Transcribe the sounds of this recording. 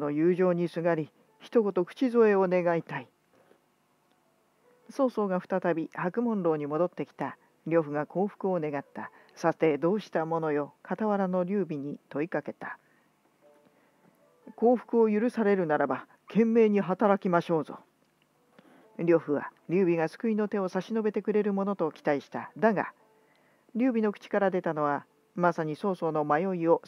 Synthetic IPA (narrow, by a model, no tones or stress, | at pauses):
no̞jɯːʑo̞ːɲ̟isɨɡaɾʲi | çi̥t̪o̞kot̪o̞kɯ̟̥t͡ɕizo̞e̞o̞ne̞ɡait̪ai | so̞ːso̞ːɡaɸɯ̟̥t̪at̪abʲihakɯ̟mõ̞nɾo̞ːɲ̟imo̞d̪o̞t̪ːe̞kʲi̥t̪a | ɾʲo̞ɸɯ̟ɡako̞ːɸɯ̥kɯ̟o̞ne̞ɡat̪ːasat̪e̞d̪o̞ːɕi̥t̪amo̞no̞jo̞kat̪aβaɾano̞ɾʲɨːbʲiɲ̟it̪o̞ikake̞t̪ḁ | ko̞ːɸɯ̥kɯ̟o̞jɯɾɯ̟saɾe̞ɾɯ̟naɾaba | kʰẽ̞mːe̞ːɲ̟iɦat̪aɾakʲimaɕo̞ːzo̰ | ɾʲo̞ɸɯ̟βa̰ɾʲɨːbʲiɡasɨ̥kɯ̟ino̞t̪e̞o̞saɕino̞be̞t̪e̞kɯ̟ɾe̞ɾɯ̟mo̞no̞t̪o̞kʲi̥t̪aiɕi̥t̪ad̪aɡa̰ | ɾʲɨːbʲino̞kɯ̥t͡ɕi̥kaɾad̪e̞t̪ano̞β̞a | masaɲ̟iso̞ːso̞ːno̞majo̞io̞